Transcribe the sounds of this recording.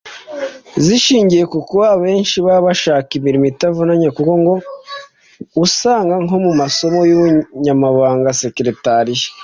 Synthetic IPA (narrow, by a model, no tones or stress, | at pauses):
ziʃiːɲɟije̞kukuβaβe̞ːnʃiβaβaʃaːkimiɾimitavunaɲekuko̞ŋɡo̞ | usaːŋɡaŋo̞mumaso̞mo̞juβuɲamaβaːŋɡase̞kɾe̞taɾije̥